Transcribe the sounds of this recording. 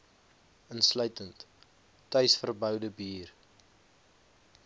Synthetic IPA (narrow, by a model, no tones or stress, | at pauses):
ənslœɥtəntː | œɥsfərbœwdəbiːr